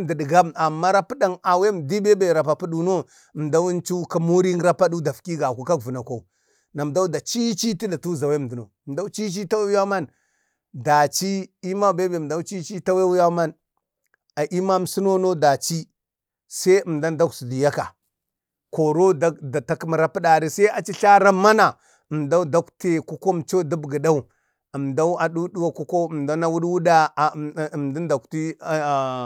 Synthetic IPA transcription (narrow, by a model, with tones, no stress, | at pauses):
di˨di˨ɡa˦a˨mːa˦ɾa˦pi˦ɗa˨ŋa˨we˦m˨di˦be˦be˨ɾa˨pa˨pu˦ɗu˨no˦˨ | m˨da˦wu˦nt͡ʃu˦ka˦mo˦ɾi˦ŋɡɾa˦pa˦du˦da˨fki˦ɡa˨ku˦ka˦ɡvu˨na˨ko˨ | na˨m˨da˦u˦da˨t͡ʃi˦t͡ʃi˦ti˦da˨tu˦˨za˨we˦˨di˨no˨mda˦u˦t͡ʃi˦t͡ʃi˦ta˦we˦wu˦ja˦ma˦n | da˨t͡ʃi˦i˦ma˦˨be˦be˨da˦u˦t͡ʃi˦t͡ʃi˦ta˦we˦wu˦ja˦ma˦n | a˨ʔi˦ma˦m˦si˦no˦no˦da˨t͡ʃi˦ | sa˦ə˨m˨da˦nda˦ksi˨di˨ja˦ka˨ | ko˨ɾo˦da˦da˨ta˨km˨ɾa˦pi˦ɗa˨ɾi˦˨sa˦i˦a˨t͡ʃi˦ɬa˦ɾa˦mːa˦na˨ | ə˨mda˦u˦da˦kte˨ku˦ko˦m˨t͡ʃo˦du˦bɡə˨da˦u˨ | ə˨mda˦u˦a˨ɗu˦du˦wa˨ku˦ko˦˨mda˦na˦wu˦ɗwu˦da˦˨mda˦n˦da˨kti˦˨